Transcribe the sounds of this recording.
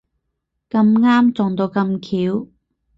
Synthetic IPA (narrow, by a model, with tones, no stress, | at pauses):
kɐ˧mŋaː˥mt͡sɔː˨˩ŋt̪o˧wkɐ˧mkʰiː˨˥w